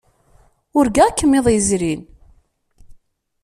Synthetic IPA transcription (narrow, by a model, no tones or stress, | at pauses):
ʊɾɡækːəmːeðˤjəzɾin